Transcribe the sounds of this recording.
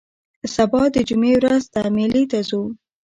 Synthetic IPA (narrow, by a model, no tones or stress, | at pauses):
sabɑd̪əd͡ʒumewɾazd̪amilit̪azu